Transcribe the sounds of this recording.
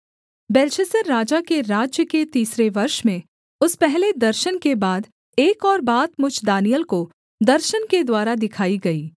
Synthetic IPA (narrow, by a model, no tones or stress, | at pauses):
bɛːlʃəsəɾːaːd͡ʒakeɾaːd͡ʒjəket̪iːsɾeʋɐɾʃmẽ | ʊspɛɦled̪ɐɾʃənkebaːd̪ | eːkɔːɾbaːt̪mʊd͡ʒʱd̪aːnijəlko | d̪ɐɾʃənked̪waːɾad̪ɪkʰaːiɡɐiː